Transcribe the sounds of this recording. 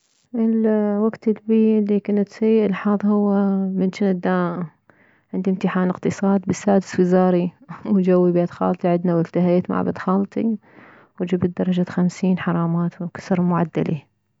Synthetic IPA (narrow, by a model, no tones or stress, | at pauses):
ʔɪlwaɡt̪ɪlbiːlːikʊnat̪sajːɪʔɪlħɑːðˤhʊwːamɪnʃɪnɪd̪ːa | ʕɪnd̪imt̪ɪħaːnɪqt̪ɨsˤɑːd̪bɪsːaːd̪ɪ̥swɪzaːɾiwd͡ʒawːibeːd̪xɑ̰ːlt̪ˤiʕɪd̪nawɪlt̪aɦeːt̪ma̰ʕ̰ba̰d̪xɑːlt̪ˤi | wd͡ʒɪbt̪̚d̪ɑɾˤɑd͡ʒaxamsiːnħɑɾˤɑːmaːt̪wkḁsɾˤmʊʕad̪ːa̰li